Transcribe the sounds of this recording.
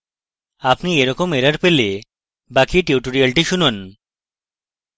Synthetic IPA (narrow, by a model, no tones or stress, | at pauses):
apnieɾɔkomeɾaɾpele | bakiʈiuʈoɾialʈiʃunon